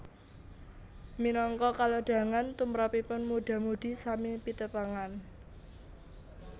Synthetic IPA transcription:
minɔŋkɔkaloɖ̥ä̤ŋant̪umɾapipʊnmuɖ̥a̤muɖ̪̥i̤samipit̪əpaŋan

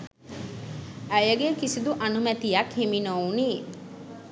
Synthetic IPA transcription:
æjɐɡekisid̪uʔɐnumæt̪ijɐkhiminoːniː

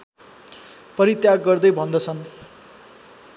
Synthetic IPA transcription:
pʌɾit̪jaɡːʌrd̪ʌjbʱʌnd̪ʌt͡sʰʌn

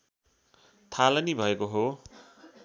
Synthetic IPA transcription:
t̪ʰalʌnibʱʌekoɦo

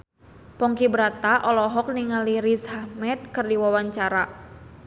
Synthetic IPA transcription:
pɔŋkibəɾat̪aʔɔlɔɦɔk̚niŋaliɾishahmɛt̪̚kɨrdiwawaɲt͡ʃaɾa

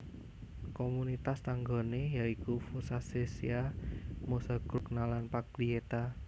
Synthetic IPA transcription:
komunit̪ast̪aŋɡo̤nejaikufusasesiamosaɡ̥ɾuk̚nalanpak̚liet̪a

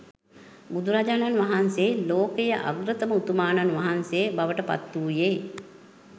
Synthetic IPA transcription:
bud̪ʱuɾad͡ʒaːnanʋaɦanseːloːkejəʔa̰ɡɾət̪əməut̪umaːnanʋaɦansebaʋəʈəpa̰t̪ːuːjeː

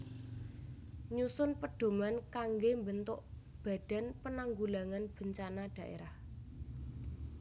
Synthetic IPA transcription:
ɲusʊnpəɖ̥o̤mankaŋɡembənt̪ʊʔ | b̥a̤d̪̥a̤npənaŋɡulaŋanb̥ə̤ɲt͡ʃanad̥ä̤ʔḛɾah

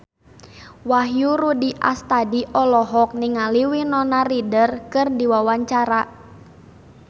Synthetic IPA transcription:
waɦjuɾudiʔa̰st̪adiʔɔlɔɦɔk̚niŋaliwinɔnaridərkɨrdiwawaɲt͡ʃaɾa

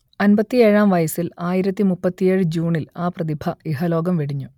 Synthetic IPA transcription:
ɐnbɐt̪ːieːɻaːmʋɐjɐsilaːjiɾɐt̪ːimupːɐt̪ːije̞ːɻɨd͡ʑuːɳilaːprɐðibʱɐiɦɐlo̞ːɡɐmʋeɽiɲːu

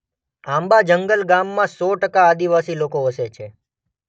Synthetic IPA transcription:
ãmbad͡ʒəŋɡəlɡamːãsɔʈəkaːd̪iʋasilokoəset͡ʃʰe

